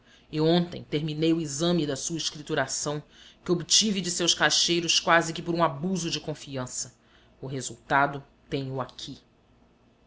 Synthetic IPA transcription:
ɪõnt̪ḛ̃j̃t̪eɾminejʊizɐ̃mɪd̪ɐsuɐiʃkɾit̪uɾasɐ̃w̃ | kɪobit͡ʃivɪd͡ʒɪsewskaʃejɾʊskwazɪkɪpʊɾũabuzʊd͡ʒɪkõfiɐ̃sɐ | ʊɦezuwt̪ad̪ʊ | t̪ẽjɲʊakʰi

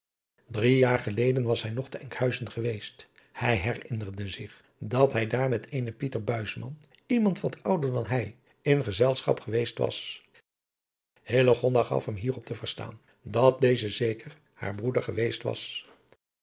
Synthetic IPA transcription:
drijaːɹχəlejdənʋɑsɦɛjnɔχtəɛŋkhœɥzənχəʋejst | hɛjɦɛrɪnərdəzɪχ | dɑtɦɛjdaːɹmɛtʰejnəpitəɹbœɥsmɑ̰n | imɑntʋɑtʰʌwdəɹdɑnɦɛj | ɪnχəzɛlˠsχɑ̰pχəʋejstʋɑ̰s | hɪləχɔndaχɑ̰fɦəmɦiːrɔp̚təvəɹsta̰ːn | dɑt̚dejzəzejkər | ha̰ːɹbrudəɹχəʋejstʋɑ̰s

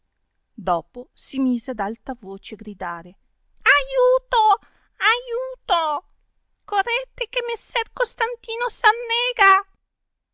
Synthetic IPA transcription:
d̪ɔːposimiːzead̪alt̪avoːt͡ʃeaɡɾid̪aːɾe | ajuːt̪o | ajuːt̪o | korɛt̪ːekemːesːɛrkost̪ant̪iːnosanːɛːɡa

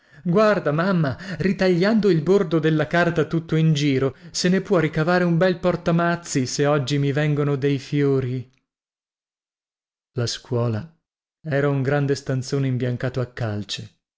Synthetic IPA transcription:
ɡward̪amamːarit̪aʎːand̪oilbord̪od̪elːakart̪at̪ut̪ːoind͡ʒiːɾosenepwɔɾikavaːɾeumbɛlpɔrt̪amat̪sːiseɔd͡ʒːimivɛŋɡonod̪ejfjoːɾi | laskwɔːla | ɛːɾauŋɡɾand̪est̪ant̪soːneimbjaŋkaːt̪oakːalt͡ʃe̥

